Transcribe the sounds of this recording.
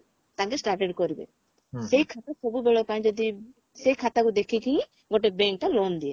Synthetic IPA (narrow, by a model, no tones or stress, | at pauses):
t̪ãkesʈaɾʈeɖkoɾibḛ | sejkʰat̪asobubeɭopãj̃d͡ʒɔd̪i | sejkʰat̪akud̪ekʰikĩ | ɡoʈebɛ̃ŋk̚ʈalond̪ie